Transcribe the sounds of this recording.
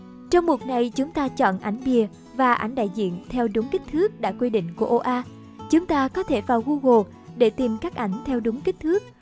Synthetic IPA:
t͡ɕɔ˧wŋ͡mɓu˨˩k̚na˨˩jt͡ɕʊ˨˦ŋ͡mt̪aː˧t͡ɕɔ̰˧˨nʔa˧˩jŋ̟ɓi˨˩ə | vaː˨˩ʔa̰˧˩jŋ̟ɗa̰ː˧˨jzḭ˧˨ənt̪ʰɛ˧wɗʊ˨˦ŋ͡mkï˦˥k̟̚t̪ʰɨ˦˥ək̚ɗa̰ː˧˥kwi˧ɗḭ˧˨ŋ̟ku˧˩əʔo˧ʔaː˧ | t͡ɕʊ˨˦ŋ͡mt̪aː˧kɔ˨˦t̪ʰe˧˩vaː˨˩wɣu˧ɣo˨˩ | ɗe˧˩t̪i˨˩mkaː˦˥k̚ʔa˧˩jŋ̟t̪ʰɛ˧wɗʊ˨˦ŋ͡mki˦˥k̟̚t̪ʰɨ˦˥ək̚

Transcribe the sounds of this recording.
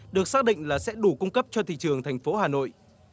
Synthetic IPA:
ɗɨ˨˩ək̚saː˦˥k̚ɗḭ̈˧˨ŋ̟laː˨˩sɛ̰˧˥ɗu˧˩kʊ˧ŋ͡mkə˦˥p̚t͡ɕɔ˧t̪ʰḭ˧˨t͡ɕɨ˨˩əŋt̪ʰa˨˩ŋ̟fo˨˦haː˨˩no̰˧˨jʔ

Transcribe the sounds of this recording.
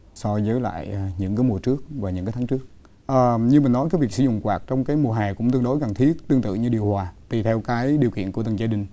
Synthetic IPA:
sɔ˧zəː˨˦jla̰ː˧˨jʔɲɨ̰˧˥ŋkaː˨˦mu˨˩ət͡ɕɨ˦˥ək̚vaː˨˩ɲɨ̰˧˥ŋaː˨˦t̪ʰaː˨˦t͡ɕɨ˦˥ək̚ | ʔəː˨˩ɲɨ˧mï̟˨˩nɔ˨˦jkaː˨˦jvi˨˩əksɨ˧˩zʊ̰˧˨ŋ͡mkwaː˨˩k̚t͡ɕɔ˧wŋ͡mkaː˨˦jmu˨˩əɦaː˨˩kʊ̰˧˥ŋ͡mt̪ɨ˧əŋɗo˨˦jka˨˩nt̪ʰi˦˥ət̚t̪ɨ˧əŋt̪ɨ̰˧˨ɲɨ˧ɗi˨əwhwaː˨˩t̪i˨˩t̪ʰɛ˧wkaː˨˦jɗi˨˩əwkḭ˧˨nkət̪ə˨˩zaː˧ɗï˨˩ŋ̟

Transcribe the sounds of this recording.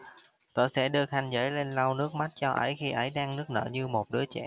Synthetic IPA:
t̪o˧˨jsɛ̰˧˥ɗɨ˧əxa˧jŋ̟zə̰ː˨˦jle˧nla˧wnɨ˦˥ək̚ma˦˥t̚t͡ɕɔ˧ʔə̰˧˦jxi˧ʔə˨˦jɗaː˧ŋnɨ˦˥ək̚nə̰ː˧˩ɲɨ˧mo˨˩t̚ɗɨ˨˦ət͡ɕɛ̰˧˩˨

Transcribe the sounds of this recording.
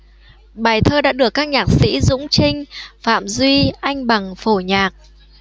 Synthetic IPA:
ɓaː˨˩jt̪ʰəː˧ɗa̰ː˧˥ɗɨ˨˩əkːaː˦˥k̚ɲaː˨˩k̚sḭ˧˥zʊ̰˧˥ŋ͡mt͡ɕï˧ŋ̟fa̰ː˧˨mzwi˧ʔa˧jŋ̟ɓa˨˩ŋfo˧˩ɲaː˨˩k̚

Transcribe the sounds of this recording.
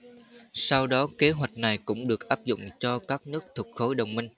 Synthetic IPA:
sa˧wɗɔ˨˦ke˨˦ɦwa˨˩jk̟̚na˨˩jkʊ̰˧˥ŋ͡mɗɨ˨˩ək̚ʔaː˦˥p̚zʊ̰˧˨ŋ͡mt͡ɕɔ˧kaː˦˥k̚nɨ˦˥ək̚t̪ʰə˨˩k̚xo˨˦jɗə˨˩wŋ͡mmï˧ŋ̟

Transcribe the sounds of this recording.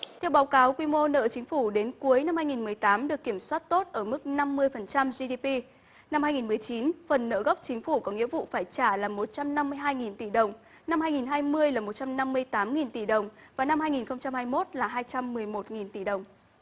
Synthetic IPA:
t̪ʰɛ˧wɓaː˨˦wkaː˨˦wkwi˧mo˧nə̰ː˧˨t͡ɕï˨˦ŋ̟fu˧˩ɗe˨˦nku˨˦əjna˧mhaː˧jŋi˨˩nmɨ˨˩əjt̪aː˨˦mɗɨ˨˩əkːi˧˩əmswaː˦˥t̚t̪o˦˥t̚ʔəː˧˩mɨ˦˥k̚na˧mːɨ˧əjfə˨˩nt͡ɕa˧mzi˧ɗi˧pi˧ | na˧mhaː˧jŋi˨˩nmɨ˨˩əjt͡ɕi˨˦nfə˨˩nːə̰ː˧˥ɣə˦˥wk͡p̚t͡ɕï˨˦ŋ̟fu˧˩kɔ˨˦ŋḭ˧˥əvṵ˧˨faː˧˩jt͡ɕaː˧˩laː˨˩mo˨˩t̚t͡ɕa˧mna˧mːɨ˧əjɦaː˧jŋi˨˩nt̪i˧˩ɗə˨˩wŋ͡m | na˧mhaː˧jŋi˨˩nɦaː˧jmɨ˧əjlaː˨˩mo˨˩t͡ɕa˧mna˧mːɨ˧əjt̪aː˨˦mŋi˨˩nt̪i˧˩ɗə˨˩wŋ͡mvaː˨˩na˧mhaː˧jŋi˨˩nxə˧wŋ͡mt͡ɕa˧mhaː˧jmo˦˥t̚laː˨˩ɦaː˧jt͡ɕa˧mːɨ˨˩əjmo˨˩t̚ŋi˨˩nt̪i˧˩ɗə˨˩wŋ͡m

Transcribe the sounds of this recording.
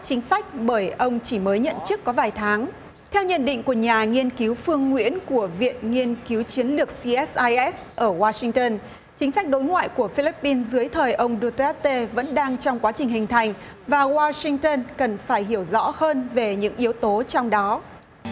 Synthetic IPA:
t͡ɕï˨˦ŋ̟sa˦˥jk̟̚ɓəː˧˩jʔə˧wŋ͡mt͡ɕi˧˩məː˨˦jɲə̰˧˨nt͡ɕɨ˦˥əkːɔ˨˦vaː˨˩jt̪ʰaː˨˦ŋ | t̪ʰɛ˧wɲə̰˧˨nɗḭ̈˧˨ŋ̟ku˧˩əɲaː˨˩ŋi˧ənki˨˦wfɨ˧əŋːwḭ˧˥ənku˧˩əvḭ˧˨ənŋi˧ənki˨˦wt͡ɕi˨˦ənlɨ˨˩ək̚si˧ʔɛ˦˥sʔaː˧jʔɛ˦˥sʔəː˧˩waː˧sï˧ŋ̟t̪əː˧n | t͡ɕï˨˦ŋ̟sa˦˥k̚ɗo˨˦jŋwa̰ː˧˨jku˧˩əfi˧li˦˥pːi˧nzɨ˨˦əjt̪ʰəː˨˩jʔə˧wŋ͡mɗu˧t̪a˦˥t̪e˧və̰˧˥nɗaː˧ŋt͡ɕɔ˧wŋ͡mkwaː˨˦t͡ɕï˨˩ŋ̟hï˨˩ŋ̟t̪ʰa˨˩jŋ̟vaː˨˩waː˧sï˧ŋt̪əː˧nkə˨˩nfaː˧˩jɦi˧˩əwzɔ̰˧˥həː˧nve˨˩ɲɨ̰˧˥ŋʔi˨˦əwt̪o˨˦t͡ɕɔ˧wŋ͡mɗɔ˨˦

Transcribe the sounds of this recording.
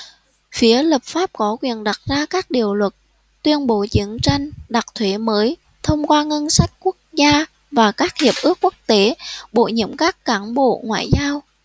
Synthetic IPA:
fi˨˦ələː˨˩p̚faː˦˥p̚kɔ˨˦kwḭ˧˨ənɗa˨˩t̚zaː˧kaː˦˥k̚ɗḭ˨˩əwlwə˨˩t̚ | t̪wi˧ənɓo˨˦t͡ɕɨ˨˦ənt͡ɕa˧jŋ̟ɗa˨˩t̚t̪ʰwe˨˦məː˨˦j | t̪ʰə˧wŋ͡mkwaː˧ŋə˧nsa˦˥jk̚ku˦˥ək̚zaː˧ | vaː˨˩kaː˦˥k̚hi˨˩əp̚ʔɨ˦˥əkːu˦˥ək̚t̪e˨˦ɓo̰˧˨ɲə̰˧˥əmkaː˦˥kːaː˨˦nɓo̰˧˨ŋwa̰ː˧˨jzaː˧w

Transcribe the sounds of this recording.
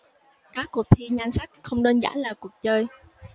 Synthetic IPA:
kaː˦˥kːu˨˩ək̚t̪ʰi˧ɲa˧jŋ̟sa˦˥k̚xə˧wŋ͡mneəː˧nza̰ː˧˩˥nlaː˨˩ku˨˩ək̚t͡ɕəː˧j

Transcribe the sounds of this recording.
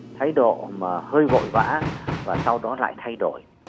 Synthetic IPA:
t̪ʰaː˨˦jɗo̰˧˨maː˨˩həː˧jvo̰˧˨jva̰ː˧˥vaː˨˩sa˧wɗɔ˨˦la̰ː˧˨jt̪ʰa˧jɗo˧˩˨j

